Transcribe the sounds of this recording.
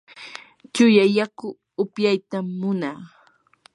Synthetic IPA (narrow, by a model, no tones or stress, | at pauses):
t͡ʃʊjajakʊ | ʊpjajt̪amːʊnaː